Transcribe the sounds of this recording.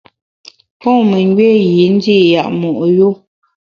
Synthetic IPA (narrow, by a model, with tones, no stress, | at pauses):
pɔ̃˦˨me˨ŋ˦ɡɥɛ˦ji˨˦n˦di˦˨ja˨ʔmɔ˨ʔjo˦